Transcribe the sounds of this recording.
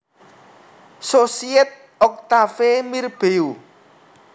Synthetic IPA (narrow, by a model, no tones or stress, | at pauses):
sosiɛt̪̚ | ɔk̚t̪afemirb̥eu